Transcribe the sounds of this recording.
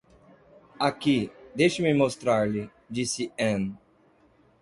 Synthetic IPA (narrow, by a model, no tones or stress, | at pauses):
akid̪ejʃɪmɪmost̪ɾaɾlɪ | d͡ʒisɪẽn